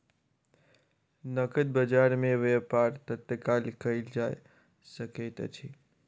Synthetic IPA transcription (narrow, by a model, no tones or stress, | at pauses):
nəkət̪̚bəd͡ʒaɾmẽʋepaɾt̪ət̪ːəkalkəɪld͡ʒaj | səket̪ə̰t͡ʃʰi